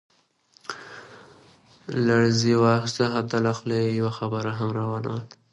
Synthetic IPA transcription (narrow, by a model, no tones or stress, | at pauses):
laɽziwɑxɪst̪aɦat̪alaxlejawaxabəɾaɦamɾɑwana̰wl